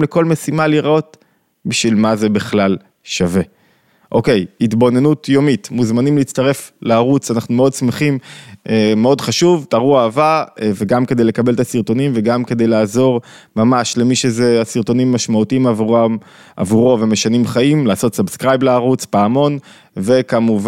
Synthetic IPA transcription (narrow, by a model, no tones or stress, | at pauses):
leko̞lme̞simaliʁʔo̞t̪ | biʃvilmaze̞biχlal | ʃave̞ | ʔo̞ke̞jitbo̞ne̞nutjo̞mitmuzmanimleːtt͡st̪aʁe̞fleaʁut͡sanaχnumeo̞dsmeχimeːeo̞dχaʃuvtaʁuaːvaveɡamke̞d̪e̞jle̞kabe̞lt̪asiʁt̪o̞nimve̞ɡamke̞d̪e̞jlaːzo̞ʁ | mamaʃle̞miʃezeasiʁt̪o̞nimːaʃmautiimava | ʔa̰vuʁo̞ve̞me̞ʃanimχaimlaːso̞t̪sabskʁajbleaʁut͡sbaːmo̞n | ve̞kamuv